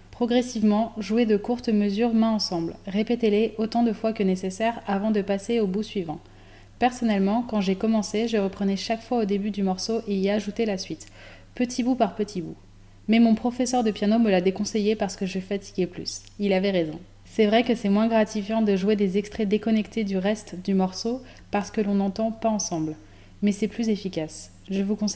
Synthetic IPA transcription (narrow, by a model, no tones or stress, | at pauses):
pχɔɡʁɛsivmɑ̃ʒued̪əkuʁt̪məzyʁmɛ̃ɑ̃sɑ̃blʁepet̪eleʔot̪ɑ̃d̪əfwakənesesɛʁavɑ̃d̪əpaseobusɥivɑ̃ | pɛʁsɔnɛlmɑ̃kɑ̃ʒekɔmɑ̃seʒəʁəpχənɛʃakfwaod̪ebyd̪ymɔʁsoʔeiaʒut̪elasɥit̪ | pət̪ʰibupaʁpət̪ʰibṵ | mɛmɔ̃pχɔfɛsœʁd̪əpjanoməlad̪ekɔ̃sejepaʁsə̥kəʒəfat̪ʰi̥ɡʲeply̰s | ilavɛʁezɔ̰̃ | sɛvʁɛkəsɛmwɛ̃ɡʁat̪ifjɑ̃d̪əʒuwed̪ezɛkst̪χɛd̪ekɔnɛkt̪ed̪yʁɛst̪d̪ymɔʁso | paʁsə̥kəlɔ̃nɑ̃t̪ɑ̃paɑ̃sɑ̃bl | mɛsɛplyzefikʲas | ʒəvukɔ̃s